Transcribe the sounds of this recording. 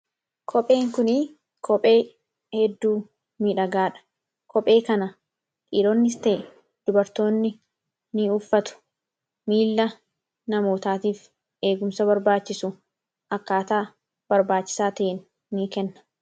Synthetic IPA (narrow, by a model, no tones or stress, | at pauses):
kʰɔpʼe̞ːŋkʊni | kʰɔpʼe̞ː | hɛd̪ːuː | miːᶑɐɡaːᶑɐ̥ | kʰɔpʼe̞ːkɐnɐ | ʔʼiːɾoːnːɪst̪eː | d̪̥ʊbɐɾt̪o̞ːnːɪ | niʊfːɐt̪ʊ̥ | miːlːɐ | nɐmo̞ːt̪aːt̪iːf | e̞ːɡʊmsɐbɐɾbaːt͡ʃːɪsʊ | ʔɐkːaːt̪aː | bɐɾbaːt͡ʃːɪ̥saːt̪ɐʔenː | iːkɛnːɐ̥